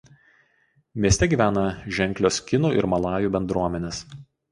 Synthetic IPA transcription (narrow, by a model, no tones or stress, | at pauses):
mʲiɛsʲt̪ʲɛɡʲiːˑʋʲæːnɐʒʲɛŋʲklʲoːskʲɪnuʔɪ̰ɾmɐlˠɑːjuˑːbʲɛnd̪ɾuɔmʲɛnʲeːs